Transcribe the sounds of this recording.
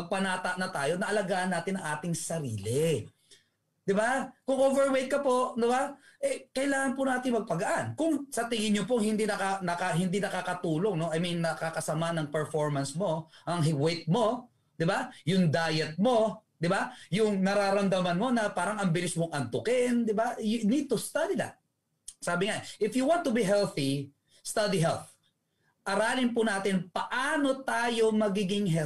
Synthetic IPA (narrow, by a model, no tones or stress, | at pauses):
ɐɡ̚pɐnat̪ɐʔnɐt̪aːjo̞nɐʔɐlɐɡaːʔɐnːaːt̪ɪnːɐŋʔaːt̪ɪŋsɐɾḭːlɪ | d̪̥ɪbakʊŋʔovɛɹwejt̪̚kɐpo̞ʔd̪ɪbaʔɛkɐʔɪlaːŋɐnpʊnaːt̪ɪŋmɐɡ̚pɐɡɐʔankʊŋsɐt̪ɪŋɪnɲːopoŋhɪnd̪inɐkanɐkaɦɪnd̪inɐkaːkɐt̪uːlo̞ŋno̞ɐjminnːɐkakɐsɐmanɐŋpɛɹfoɹmɐnsmo̞ʔɐŋɦwejt̪̚mo̞ | d̪ɪbajʊŋd̪aːjɛt̪̚mo̞d̪ɪbajʊŋnɐɾaːɾɐmd̪ɐmɐnmo̞nɐpaːɾɐŋɐmbɪlɪsmoŋʔɐnt̪ʊkɛnd̪ɪbajʊnid̪̚t̪ʊst̪ad̪id̪a̰t̪̚ | saːbɪŋaʔɪfjʊwãnt̪ːʊbiɦɛlθi | st̪ad̪iɦɛlθ | ʔɐɾaːlɪŋpʊnaːt̪ɪnpɐʔaːno̞t̪aːjo̞mɐɡiːɡɪŋɦɛ